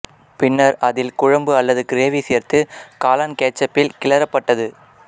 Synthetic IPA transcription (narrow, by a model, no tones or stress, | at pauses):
pɪnːɐɾɐðɪlkʊɻɐmbɯɐlːɐðɯkɪɾeːʋiseːɾt̪ɯkaːlɐnkeːt͡ʃːɐpːɪlkɪlɐɾɐpːɐʈːɐðɯ